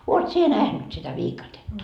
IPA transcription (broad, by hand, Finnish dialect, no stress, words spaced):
oːt sie næhnyt sitæ ʋiːkɑtetːɑ